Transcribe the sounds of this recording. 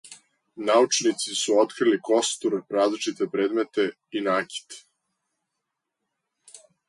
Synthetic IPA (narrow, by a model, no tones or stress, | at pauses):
naut͡ʂnit̪sisuot̪kɾiliko̞st̪uɾɾaːzlit͡ʃit̪epɾeːd̪met̪e̞ | inaːkʲi̥t̪